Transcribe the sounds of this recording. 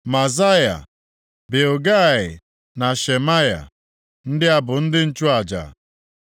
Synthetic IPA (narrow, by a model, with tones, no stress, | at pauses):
ma˨za˦ja̰˨ | be˨o˨ɡa˦˨ɪ̰˨ | na˨ʃe˨ma˦ja̰˨ | n̩˦dɪ˦a˦bʊ˨n̩˦dɪ˦n̩˦t͡ʃu˦a˨d͡ʒa̰˨